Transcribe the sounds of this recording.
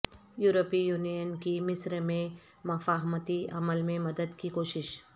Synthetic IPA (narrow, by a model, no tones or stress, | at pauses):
juːɾopijuːnijənkimɪsɾmẽ | mɐfaːɦmət̪iɐməlmẽmɐd̪əd̪kikoːʃɪʃ